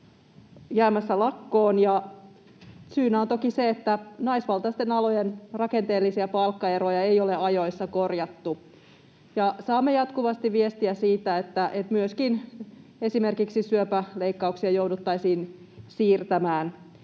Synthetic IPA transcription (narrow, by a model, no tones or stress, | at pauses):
jæːmæsːælɑkːoːnjɑ | syːnæont̪okiseet̪ːænɑisʋɑlt̪ɑist̪enɑlo̞jenrɑkent̪e̞ːlːisiæpɑlkːɑeɾojɑejoleɑjo̞jsːɑko̞rjɑt̪ːu | jɑsɑːmːejɑt̪kuʋɑst̪iʋʋiest̪iæsiːt̪æet̪ːæʔet̪myøskine̞sime̞rkiksisyøpæleikːɑuksiɑjoudut̪ːɑisiːn | siːrt̪æmæːn